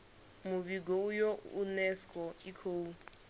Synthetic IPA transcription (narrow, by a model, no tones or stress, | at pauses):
muβiɡoujounɛskʼɔikʰoːu